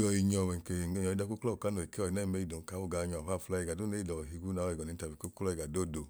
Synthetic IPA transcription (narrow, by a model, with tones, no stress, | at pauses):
ɔ˨i˨ɲɔ˨wɛ˨ke˨e˧˨ɲɔ˨i˧˦da˧˦ku˦kɔ˦u˨ka˨˦no˨i˨ke˦ɔ˨i˨na˦i˨me˧˦i˨do˨ka˨˦wu˦˨ɡa˨˧ɲɔ˨a˨a˦˨fu˧la˧˦i˨ɡa˨du˦ne˦i˦˨dɔ˨ɦi˧ɡu˦na˨˦ɔ˦˨i˨ɡɔ˨i˨˦ta˨bi˨ku˦klɔ˦i˨ɡa˨do˦˨do˨